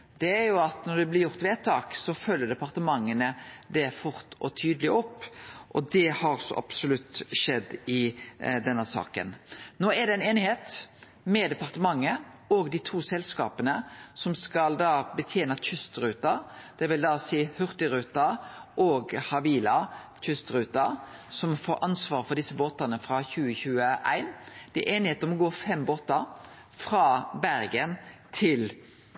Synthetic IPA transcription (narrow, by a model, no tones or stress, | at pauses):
d̪̥ɛæɾjʊɑt̪nɔɾd̪ɛblɪɾjʊʁt̪ʋeːt̪ʰːɑːksɔfœlːəɖ̪ɛpɑɾt̪əmɑŋːənəd̪ɛfʊɾt̪ɔt̪ʰyːd̪əlɪʔɔpːʔɔd̪ɛhɑɾsɔ̰ʔɑ̰psʊlʉt̪ːʃɛd̪ːɪd̪ɛnːəsɑ̰ːkə̰nnoːæɖ̪ɛæneːnɪheːt̪ | mɛd̪ɛpɑʁt̪əmɑŋːə | ɔɡd̪it̪ʰuːsɛlskɑ̰ːpənəsɔmskɑld̪ɑːbət̪ʰjeːnɑc͡çʏst̪ɾʉːt̪ɑɾd̪̥ɛʋɪld̪ɑːsiːhʉʁt̪ɪɾʉːt̪ɑɾʔoːɡhɑʋiːlɑ | c͡çʉst̪ɾʉːt̪ɑɾ | sɔmfoːɾɑnsʋɑːʁfɔd̪ɪsːəboːt̪ɑnəfɾɑçʉːəçʉːəʔæ̰ɪnd̪̥ɛɛʔeːnɪheːt̪mɔɡoːɾfɛmboːt̪əɾ | fɾɑːbæɾɡənt̪ʰɪl